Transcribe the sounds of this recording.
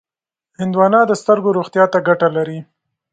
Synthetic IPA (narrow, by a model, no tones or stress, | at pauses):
hɪnd̪wɑnɑd̪əst̪əɾɡoɾoxt̪jɑt̪aɡaʈalaɾi